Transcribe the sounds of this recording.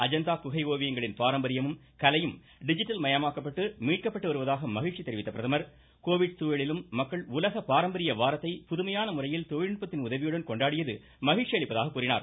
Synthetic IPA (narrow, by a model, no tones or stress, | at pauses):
ɐd͡ʒɐnd̪aːkʊɣɐɪoːʋɪjɐŋɡɐɭɪnpaːɾɐmbɐɾɪjɐmɯm | kɐlɐjɯm | ɖɪd͡ʒɪʈːɐlmɐjɐmaːkɐpːɐʈːɯmiːʈ̚kɐpːɐʈːɯʋɐɾɯʋɐðaːɣɐmɐɣɪʈʂit̪ɛɾɪʋɪt̪ːɐpɪɾɐðɐmɐɾ | koːʋɪɽt̪uːjɐɭɪlɯmːɐkːɐɭʊlɐɣɐpaːɾɐmbɐɾɪjɐʋaːɾɐt̪ːɐɪpʊðʊmɐjaːnɐmʊrɐjɪlt̪ɔjɪɳpːɐt̪ːɪnʊðɐʋɪjɯɽɐnkɔɳɖaːɽɪjɐðɯ | mɐɣɪʈt͡ʃːɪjɐɭɪpːɐðaːɣɐkːuːɾɪna̰ːɾ